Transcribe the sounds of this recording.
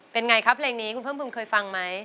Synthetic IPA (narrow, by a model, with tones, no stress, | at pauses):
pe˧nŋa˧jkʰa˦˥pʰleː˧ŋniː˦˥kʰu˧npʰɤː˥˩pʰuː˧˩nkʰɤː˧jfa˧ŋma˦˥j